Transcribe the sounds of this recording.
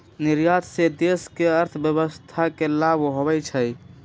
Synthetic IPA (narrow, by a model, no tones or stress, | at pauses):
niɾjat̪sed̪eskeəɾt̪ʰbjəbəst̪ʰakelabɦobɛt͡ʃʰəj